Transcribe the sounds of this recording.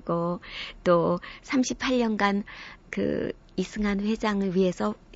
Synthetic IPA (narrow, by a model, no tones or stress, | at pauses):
ɡot͈osʰamɕʰipʰaɭɲʌnɡankɯ̰ | isʰɯŋanɸwe̞d͡ʑaŋɯɭɥiɦe̞sʰʌ